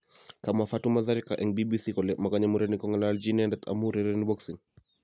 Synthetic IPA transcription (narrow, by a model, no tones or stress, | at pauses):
kamafatumazaɾikaʔɛŋbibisikɔlɛmakaɲamuɾɛnikɔŋɡalaːld͡ʒiniandɛt̪ʰa̰muɾɛɾɛnibɔksiŋ